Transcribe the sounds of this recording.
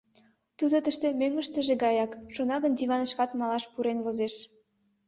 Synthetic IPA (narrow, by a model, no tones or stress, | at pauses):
t̪ud̪ot̪əʃt̪ĕmøŋːə̆ʃt̪ə̆ʒĕɡɑjɑkʃonɑɣənd̪iβɑnə̆ʃkɑt̪mɑlɑʃpuɾenβozeʃ